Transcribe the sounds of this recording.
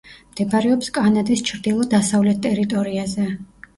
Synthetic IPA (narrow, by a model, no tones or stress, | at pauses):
md̪̥ɛbaɾɛɔpskʼanad̪ist͡ʃʰɾd̪ilˠɔd̪asavlɛt̪̚ʰt̪ːʼɛɾit̪ʼɔɾiazɛ